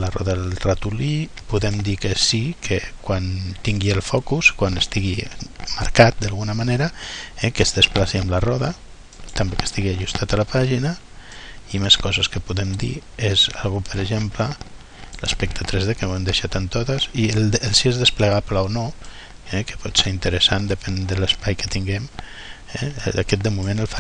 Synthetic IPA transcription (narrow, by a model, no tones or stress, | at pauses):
larɔ̰ðalrat̪uli | puðɛmd̪ikəsikʰekwant̪iŋɡielˠfɔkuskwanəst̪iɣimaɾkat̪̚d̪alɣunamaneɾɐɛkəzðəsplasiəmlarɔðə | t̪ambekə̥st̪iɣiaʒust̪ʰat̪alapaʒinɐ | imeskɔzəskəpuðemd̪ḭeza̰lɣupəɾəʒemplə | lə̰spək̚t̪at̪ɾezðekenoemd̪eʃat̪ənt̪ot̪əzid̪elsiezðəspləɣaplaono | ɛkə̥pɔt̪seɾint̪əɾəsand̪əpɛnd̪ələspajkət̪iŋɡɛm | ɛ̰d̪akɛt̪̚əmumẽnəlfa